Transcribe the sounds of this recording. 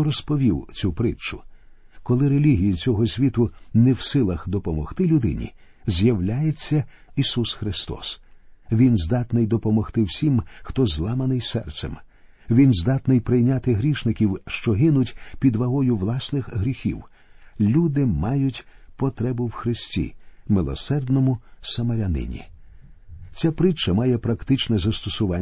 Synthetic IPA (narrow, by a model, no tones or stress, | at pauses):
ɔɾɔspɔʋʲiwt͡sʲupɾɪt͡ʃʊ | kɔlˠɪɾelʲiɦʲijit͡sʲɔɦɔsʲʋʲit̪ʊnɛwsɪlˠɐxd̪ɔpɔmɔxt̪ɪlʲʊd̪ɪ̰nʲḭ | zʲjɐwlʲajet͡sʲːɐ | isusxɾɪst̪ɔ̰sʋʲinzd̪ɑt̪nɪjd̪ɔpɔmɔxt̪ɪwsʲimxt̪ɔzlˠɑmɐnɪjsɛ̰rt̪sɛ̰m | ʋʲinzd̪at̪nɪjpɾɪjnʲat̪ɪɦɾʲiʃnɪkʲiwʃt͡ʃɔɦɪnʊtʲpʲid̪ʋɐɦɔjʊwlˠɑsnɪxɦɾʲixʲiw | lʲud̪ɪmɑjʊtʲpɔt̪ɾɛbʊwxɾɪsʲtʲḭmɪlˠɔ̰sɛrd̪nɔmʊsɐmɐɾʲɐnɪ̰nʲḭ | t͡sʲapɾɪt͡ʃːɐmajɛpɾɐkt̪ɪt͡ʃnɛzɐst̪ɔsʊʋa